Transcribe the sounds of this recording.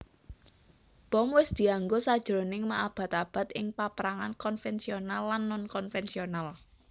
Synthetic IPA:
b̥ɔ̤mwɪsd̪̥i̤aŋɡosad̥ʒ̥əɾonɪŋmaʔab̥ä̤t̪ab̥a̤t̪̚ɪŋpapɾaŋankɔnfɛnsionalːanːʊnkɔnfɛnsional

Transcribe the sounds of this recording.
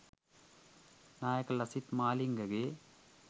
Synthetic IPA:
naːjɐkɐlɐsit̪maːliŋɡɐɡe

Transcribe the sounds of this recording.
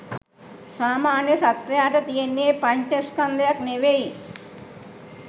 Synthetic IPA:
saːmaːnjɐsɐt̪ʋɐjaːʈɐt̪ijenːjeːpɐɲt͡ʃɐskɐnd̪ɐjɐkneʋei

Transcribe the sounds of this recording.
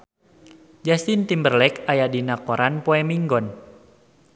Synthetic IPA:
d͡ʒast̪int̪imbərlɛkajadinakɔɾanpoɛmiŋɡɔn

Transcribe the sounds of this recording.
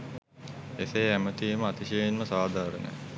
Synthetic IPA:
esejæmət̪iːməat̪iʃeinməsaːd̪ʱaːɾənḛ

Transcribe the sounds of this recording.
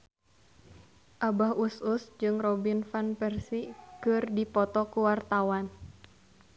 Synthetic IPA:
ʔabahususd͡ʒɨŋrɔbinfanpɛrsikɨrdipɔt̪ɔkuwart̪awan

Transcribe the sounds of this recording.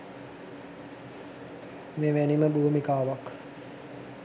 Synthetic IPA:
meːʋæniməbuːmikaːʋak

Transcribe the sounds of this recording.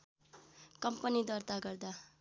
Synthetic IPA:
kʌmpʌnid̪ʌrt̪aɡʌrd̪a

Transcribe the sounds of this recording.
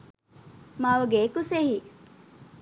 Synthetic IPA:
maːʋɐɡeːkusehi

